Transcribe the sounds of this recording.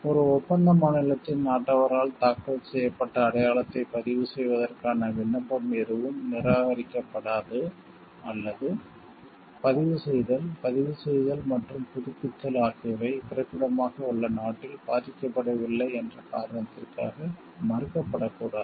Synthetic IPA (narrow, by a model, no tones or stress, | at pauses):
ɔɾɯɔpːɐnd̪ɐmaːɳɐlɐt̪ːɪnnaːʈːɐʋɐɾaːɭt̪aːkːɐsɛjːɐpːɐʈːɐːɽɐjaːɭɐt̪ːɐɪpɐðɪʋɯsɛjʋɐðɐrkaːnɐʋɪɳːɐmbɐmɛɾɯʋɯmnɪɾaːɣɐɾɪkʲːɐpːɐɽaːðɯ | ɐlːɐðɯ | pɐðɪʋɯsɛjðɐlpɐðɪʋɯsɛjðɐlmɐʈrɯmpʊðɪpːɪt̪ːɐlaːkɐɐʋɐɪpɪrɐkɯɽɐmaːɣɐuɭːɐnaːʈːɪlpaːtɪkʲːɐpːɐɽɐʋɪlːɐɪɛndrɐkaːɾɐɳɐt̪ːɪrka̰ːɣɐ | mɐrɯkːɐpːɐɽɐkːuːɽaːð